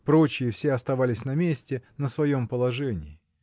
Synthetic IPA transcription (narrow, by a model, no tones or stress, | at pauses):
pɾo̞t͡ɕɪjɪfsʲeɐst̪ɐvalʲɪsʲnɐmʲesʲtʲɪnəsvɐjo̞mpəlˠɐʐɛnʲɪɪ